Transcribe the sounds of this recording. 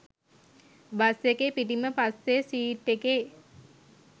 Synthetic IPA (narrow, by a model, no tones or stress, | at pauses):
basekepiʈiməpasːesiːʈːeke